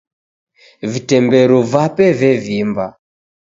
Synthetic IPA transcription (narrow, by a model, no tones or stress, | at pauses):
vitɛmbɛɾɔvapɛvɛvimba